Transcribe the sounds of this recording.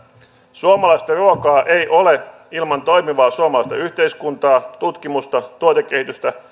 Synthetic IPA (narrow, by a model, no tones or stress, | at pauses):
suomɑlɑist̪ɑruokɑːʔe̞jʔo̞le̞ | ilmɑnt̪o̞jmiʋɑːsuomɑlɑist̪ɑ̰yht̪e̞iskunt̪ɑːt̪ut̪kimust̪ɑt̪uot̪e̞k̟ːe̞hit̪yst̪æ